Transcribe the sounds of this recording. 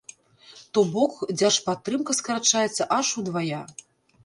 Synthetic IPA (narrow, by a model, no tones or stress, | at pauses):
t̪ɔbɔkd͡zʲaʂpat̪ːɾɨmkɐskɐɾat͡ʂajɛt̪sːɐʔaʂud̪vaja